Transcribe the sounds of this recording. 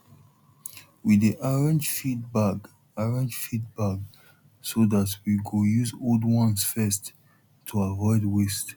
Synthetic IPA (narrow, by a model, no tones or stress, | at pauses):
widiʔaɹɛ̃nd͡ʒfitbaɡ | aɹɛ̃nd͡ʒfit̚baɡ | soðatwiɡojuzoldwɔ̃nsfɛstʰː | uavɔɪdwest